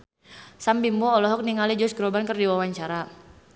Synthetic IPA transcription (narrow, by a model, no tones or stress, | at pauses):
sambimbɔːlɔɦɔk̚niŋalid͡ʒɔsɡɾɔbankərdiwawaɲt͡ʃaɾa